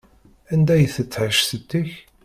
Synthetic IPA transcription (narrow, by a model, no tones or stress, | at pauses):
ænd̪æjəθət͡sːʕəʃθət̪ːiç